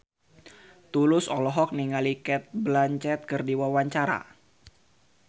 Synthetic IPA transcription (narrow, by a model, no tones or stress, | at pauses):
t̪ulʊsɔlɔɦɔk̚niŋalikɛt̪̚blaɲt͡ʃɛt̪̚kərdiwawaɲt͡ʃaɾa̰